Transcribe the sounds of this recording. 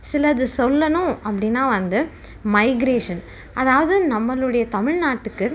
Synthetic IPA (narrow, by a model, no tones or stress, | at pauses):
sɪlɐðɯsɔlːɐnʊ̃ʔɐpːɐɽɪnːaːʋɐnd̪ɯ | mɐɪɡɪɾeːʂɐn | ʔɐðaːʋɐðɯnɐmːɐlɯɽɐjɐt̪ɐmɪɻnaːʈːɯkːɯ